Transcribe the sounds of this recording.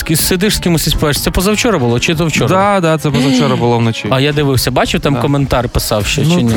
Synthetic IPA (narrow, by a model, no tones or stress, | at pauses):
skʲissed̪ɪʂsʲkʲɪmʊsʲisʲpɛʃt̪sɛpɔzɐwt͡ʃɔɾɐbʊlˠɔt͡ʃɪzɐwt͡ʃɔɾd̪ad̪at̪sɛpɔzɐt͡ʃɔɾɐbʊlˠɔʋnɔt͡ʃiɐjad̪ɪʋɪwsʲɐbɑt͡ʃɪwt̪ɑmkɔment̪ɑɾpɪsɑwʃɛt͡ʃɪnʲ